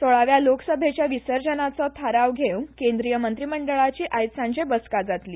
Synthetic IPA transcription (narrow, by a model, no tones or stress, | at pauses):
t̪oɭaʋjaloksəbʱet͡ɕjaʋisəɾd͡ʑənat͡sɔt̪ʰaɾaʋɡʱewnkend̪ɾijəmənt̪ɾiːməɳɖəɭat͡ɕiːʔajt̪sãɲd͡ʑebəskad͡zat̪liː